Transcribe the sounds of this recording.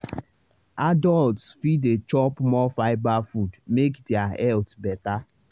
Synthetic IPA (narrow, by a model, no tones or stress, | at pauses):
adɔltsfidet͡ʃɔpmɔfaɪbafudmekdɪahɛltbɛta